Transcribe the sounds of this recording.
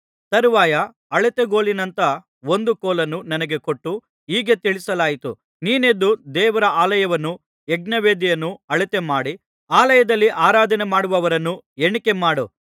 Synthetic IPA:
t̪ɐɾuʋaːjɐ | ɐɭit̪eɡoːlinɐnt̪ɐ | o̞nd̪ukoːlɐnːunɐnɐɡe̞ko̞ʈːu | iːɡet̪iɭisɐlaːjit̪ṵ | niːned̪ːud̪ɛːʋɐɾɐʔaːlɐjɐʋɐnːu | eɡnɐʋeːd̪ijɐnːuɐɭit̪emaːɽi | aːlɐjɐd̪ɐlːiʔaːɾaːd̪ɐnemaːɽuʋɐʋɐɾɐnːueɳikemaːɽo

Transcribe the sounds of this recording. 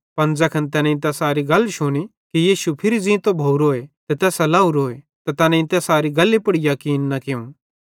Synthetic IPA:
pɐnd͡zɐkʰɐnt̪ɛːnɛ̃ɪ̃t̪ɛsaːɾiɡɐlʃʊɽ̃i | kijiːʃupʰɪɾid͡zĩt̪obʱouɾoːet̪ɛt̪ɛːsɐlaːuɾoːe | t̪at̪ɛːnɛ̃ĩnt̪ɛsaːɾiɡɐlːepʊɽijakiːɪnːɐkeũ

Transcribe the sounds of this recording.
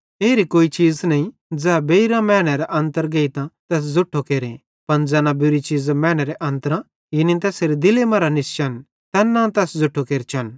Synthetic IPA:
eːɾikoːit͡ʃiːd͡znɐĩ | d͡zɛːbeɾãmɛːɽ̃ɛɾɛʔɐ̃nt̪əɾɡeːit̪ãt̪ɛːs̬zʊʈʰːokeːɾẽ | pɐnd͡zɛːnãbuɾit͡ʃiːd͡zmɛːɽ̃ɛɾɛʔɐ̃nt̪əɾã | jinĩt̪̬ɛːseɾid̪ɪlemɐɾanɪst͡ʃɐn | t̪ɛnːãt̪ɛːsd͡zʊʈʰːokeːɾt͡ʃʰɐn

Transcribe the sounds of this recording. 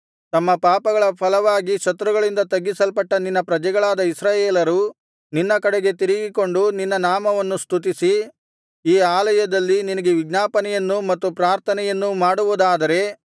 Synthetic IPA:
t̪ɐmːɐpaːpɐɡɐɭɐpʰɐlɐʋaːɡiʃɐt̪ɾuɡɐɭind̪ɐt̪ɐɡːisɐlpɐʈːɐninːɐpɾɐd͡ʒɛɡɐɭaːd̪ɐisɾaːjeːlɐɾu | ninːɐkɐɽeɡe̞t̪iɾiɡiko̞ɳɖuninːɐnaːmɐʋɐnːust̪ʰut̪̬isi | iːaːlɐjɐd̪ɐlːininɐɡe̞ʋiɡnaːpɐnɛjɐnːumɐt̪ːupɾaːɾt̪ʰɐnɛjɐnːumaːɽuʋud̪aːd̪ɐɾe̞

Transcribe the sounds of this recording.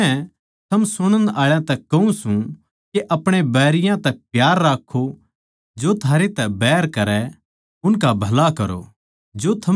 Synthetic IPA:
ɛ̃ | t̪ʰɐmsʊɽ̃ə̃naːɭjãt̪ɛkːɐũsũ | keʔɐpɽ̃ebɛːɾɪjãt̪ɛpjaːɾːaːkʰːo | d͡ʒoːt̪ʰaːɾet̪ɛbɛːɾkɐɾɛ | ʊnkabʱɐlakɐɾo̰ | d͡ʒoːt̪ʰɐ

